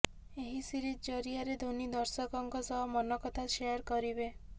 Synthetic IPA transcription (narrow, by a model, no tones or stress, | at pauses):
eɦisiɾit̪d͡ʒɔɾiaɾed̪ʱonid̪ɔɾsɔkɔŋkɔsɔɦɔmɔnɔkɔt̪ʰaʃejɔɾkɔɾibe